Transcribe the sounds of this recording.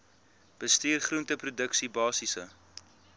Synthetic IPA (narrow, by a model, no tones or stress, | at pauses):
b̥əstiːrχruəntəprudəksibɑːsisə